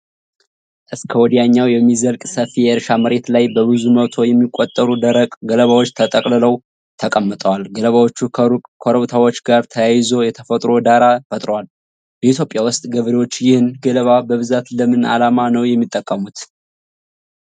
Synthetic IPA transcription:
ʔɨskʰəwɔd̪ijaɲːawjɛmːizəlkʼsəfijɛʔɨɾʃaməɾe̞t̪lajbəβɨzumət̪ʰo̞jɛmːikʼːot̪ʼːəɾud̪əɾəkʼɡələβawot͡ʃːt̪ʰət̪ʼəkʼlɨləw | t̪ʰəkʼəmːɨt̪ʼəwalɡələβawo̞t͡ʃːukʰoɾəβt̪ʰawot͡ʃːɡaɾt̪ʰəjajɪzo̞jɛt̪ʰəfət̪ʼɾo̞d̪aɾafət̪ʼɾwal | bəʔit̪ʰjo̞pʼjawʊst̪ʼɡəβɾewo̞t͡ʃːjɪhɨnɡələβabəβɨzat̪ləmɨna̰lamanəwjɛmːit̪ʼːəkʼːəmut̪

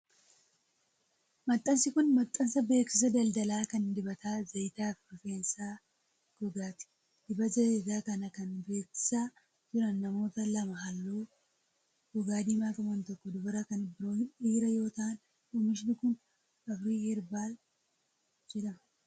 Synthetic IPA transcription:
mɐt̪ʼːɐnsɪkʊnmɐt̪ʼːɐnsɐbe̞ːksɪs̬ɐd̪ɐld̪ɐlaːkɐnd̪ɪbɐt̪aːzɐjt̪aːfɾɔfe̞ːnsaː | ɡ̥ɔɡaːt̪ɪ̥ | d̪̥ɪbɐzɐt̪aːkɐnɐkɐnbe̞ːksɪ̥saː | d͡ʒɪɾɐnːɐmo̞ːt̪ɐlɐmɐɦɐlːoː | ɡ̥ɔɡaːd̪iːmaːkɐwɐnt̪ɔkːɔd̪ʊbɐɾɐkɐnɪbɪɾo̞ːhɪniːɾɐjo̞ːt̪ɐʔɐn | uːmɪʃ̬nɪkʊn | ɐfɾiːhɪɾbaːl | d͡ʒɛᶑɐmɐ

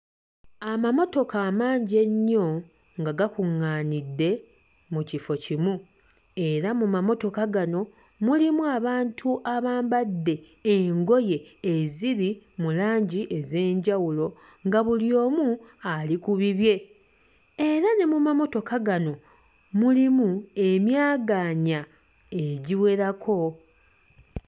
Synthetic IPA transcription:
amamo̞to̞kaːmaːɲɟe̞ɲːo̞ | ŋɡaɡakuŋːaːnidːe̞ | mucifocimu | e̞ɾamumamo̞to̞kaɡano̞ | mulimuaβaːntʰuʔaβaːmbadːe̞ː | ŋɡo̞je̞ːziβimulaːɲɟiʔe̞ze̞ːɲɟawulo̞ | ŋɡaβuljo̞ːmualikuβiβje̞ | eɾane̞mumamo̞to̞kaɡano̞ | mulimue̞mjaːɡaɲa | e̞ɟiwe̞ɾakʰo̞

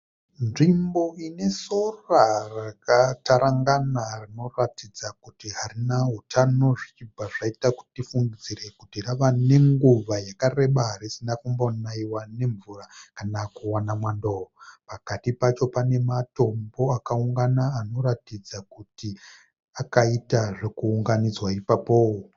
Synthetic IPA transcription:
nʐimbo̞ine̞so̞rarakataɾaŋɡanarino̞ratid͡zakutiɦaɾinaɦutʰano̞ʐit͡ʃibʱaʐaitaku̥tifuŋɡid͡ziɾe̞kutiraʋane̞ŋɡuʋajakare̞ɓaɦaɾisinafumbanaiwane̞ɱvurakanakuwanamwandoopakatipat͡ʃo̞pane̞mato̞mbo̞akauŋɡanaːno̞ɾatid͡zakuti | akaitaʐe̞kuːŋɡanid͡zwaipapowo

